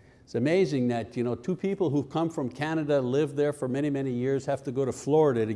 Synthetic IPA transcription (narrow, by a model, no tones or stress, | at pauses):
ɪtsɨmeɪzɪ̃ŋðɨtjɨñoʊtʰʉpʰipl̩ˠɦu̥kʰʌ̃ɱfɹʌ̃mkʰænɨɾɨlɪvðə˞fə˞mɛɾ̃imɛnijɪɹz̥hæftɨɡoʊɾɨflɔɹɨɾɨɾɨ